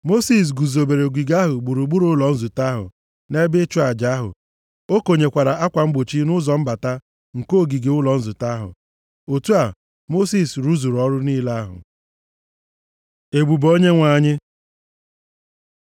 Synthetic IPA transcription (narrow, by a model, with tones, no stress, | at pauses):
mo˦si˨s̬ɡu˨zo˨be˨ɾe˨ɡʷi˨ɡa˦ɦʊ˨ɡ͡bu˨ɾu˨ɡ͡bu˦ɾʊ˦lɔ˨n̩˦zʊ˨ta˦ɦʊ̰˨ | ne˦bɪ˦t͡ʃu˦a˨d͡ʒa˦ɦʊ̰˨ | o˦ko˨ɲe˨kʷa˨ɾa˨a˦kʷa˨ŋ͡m̩˦ɡ͡bo˨t͡ʃi˦nʊ˦zɔ˨m̩˦ba˨ta˦ | ŋ̩˨ko˦˨ɡi˨ɡe˨ʊ˦lɔ˨n̩˦zʊ˨ta˦ɦʊ̰˨ | o˨tu˦a˨ | mo˦si˦sɾu˦zu˨ɾɔ˦ɾʊ˦niː˦la˦a˦ɦʊ̰˨ | e˨ɡ͡bu˨bo˦ɲe˦ŋʷa˨ɲɪ˦